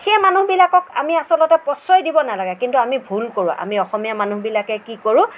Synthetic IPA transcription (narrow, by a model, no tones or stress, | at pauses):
xɛmanuɦbilakɔka̰miasɔlɔtɛpɔsɔjdibɔnalaɡɛkintuamibʱulkoɹũʔa̰miɔxɔmijamanuɦbilakɛkikoɹʊ̃